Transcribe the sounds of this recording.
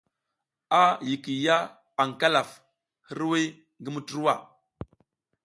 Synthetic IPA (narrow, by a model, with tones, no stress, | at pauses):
a˦ji˨ki˨ja˦ | a˨ŋ˨ka˦la˨f | hi˦ɾwi˦ | ŋɡi˦mu˦tu˦ɾu˦wa˦˨